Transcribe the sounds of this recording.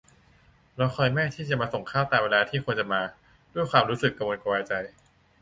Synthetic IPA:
lɛ˦˥xʰɔː˧jmɛː˥˩t̪ʰiː˥˩t͡ɕa˨˩ʔmaː˧so˨˩ŋkʰaː˥˩wt̪aː˨˩mweː˧laː˧t̪ʰiː˥˩kʰo˧nt͡ɕa˨˩maː˧ | du˥˩əjkʰwaː˧mɾuː˦˥sɯ˨˩kːa˧wo˧nka˧waː˧jt͡ɕa˧j

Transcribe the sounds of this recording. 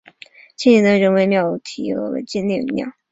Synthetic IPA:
t͡ɕʰɛ˥˩nɛ˧˥nd̪ə˧ɻə˧˥nwe˧˥ɪmjɑ˥˩ʊ˧t̪ʰi˧˥ə̰˧˩wḛ˧˩t͡ɕɛ˥˧nlɛ˥˩˧mjɑ̰˥˩ʊ

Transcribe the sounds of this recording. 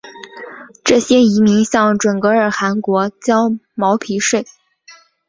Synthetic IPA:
ʈ͡ʂɤ˥˩ɕjɛ˥i˧˥mi˧˥ŋɕjɑ˥˩ŋʈ͡ʂwə˨˩nkɤ˧˥ə˞˨˩xa˧˥nkwɔ˧˥t͡ɕjɑ˥ʊmɑ˧˥ʊpʰi˧˥ʂwe˥˩ɪ

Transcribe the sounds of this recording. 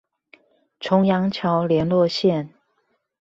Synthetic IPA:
ʈ͡ʂʰʊ˧˥ŋjɑ˧˥ŋt͡ɕʰjɑ˧˥ʊljɛ˧˥nlwɔ˥˧ɕjɛ˥˩n

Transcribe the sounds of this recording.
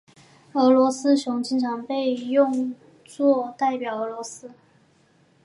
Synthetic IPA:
ɤ˧˥lwɔ˧˥sɹ̩˥ɕjʊ˧˥ŋt͡ɕʰi˧˥nʈ͡ʂʰɑ˧˥ŋpe˥˧ɪjʊ˥˧ŋ | t͡swɔ˥˧t̪a˥˩ɪpjɑ˨˩ʊɤ˧˥lwɔ˧˥sɹ̩˥

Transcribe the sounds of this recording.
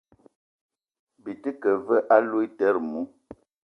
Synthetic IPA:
bi˨tə˦kə˨və˦ʔa˦lu˦i˦tɛ˦ɾmu˨˦

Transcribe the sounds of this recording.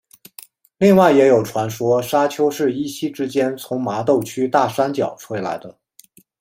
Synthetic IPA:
li˥˧ŋwa˥˩ɪjɛ˧˥jo˨˩ʊʈ͡ʂʰwa˧˥nʂwɔ˥ʂa˥t͡ɕʰjo˥ʊʂɻ̩˥˩i˥ɕi˥ʈ͡ʂɻ̩˥t͡ɕjɛ˥nt͡sʰʊ˧˥ŋma˧˥t̪o˥˩ʊt͡ɕʰy˥t̪a˥˩ʂa˥nt͡ɕjɑ̰˨˩ʊʈ͡ʂʰwe˥ɪla̰˧˥ɪd̪ə˧

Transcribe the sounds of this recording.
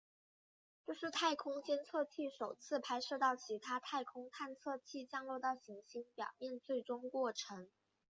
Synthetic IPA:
t͡ɕjo˥˧ʊʂɻ̩˥˧t̪ʰa˥˩ɪkʰʊ˥ŋt͡ɕjɛ˥nt͡sʰɤ˥˧t͡ɕʰi˥˩ʂo˨˩ʊt͡sʰɹ̩˥˧pʰa˥ɪʂɤ˥˧t̪ɑ˥˩ʊt͡ɕʰi˧˥t̪ʰa˥t̪ʰa˥˩ɪkʰʊ˥ŋt̪ʰa˥˧nt͡sʰɤ˥˧t͡ɕʰi˥˩t͡ɕjɑ˥˧ŋlo˥˧ʊt̪ɑ˥˩ʊɕi˧˥ŋɕi˧˥ŋpjɑ̰˨˩ʊmjɛ˥˧nt͡swe˥˩ɪʈ͡ʂʊ˥ŋkwɔ˥˩ʈ͡ʂʰɤ˧˥ŋ

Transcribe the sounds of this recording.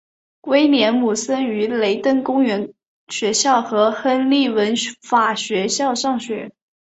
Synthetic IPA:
kwe˥ɪnjɛ˧˥nmu˨˩sə˥ny˧˥le˧˥ɪt̪ə˥˩nkʊ˥ŋɥɛ˧˥n | ɕɥɛ˧˥ɕjɑ˥˩ʊxɤ˧˥xə˥nli˥˩wə˧˥nfa˨˩ɕɥɛ˧˥ɕjɑ˥˧ʊʂɑ˥˩ŋɕɥɛ˧˥

